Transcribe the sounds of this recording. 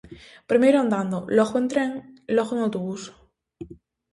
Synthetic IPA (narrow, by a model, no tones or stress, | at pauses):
pɾimeɾoãnd̪and̪oloxoent̪ɾeŋloxoeŋawt̪oβus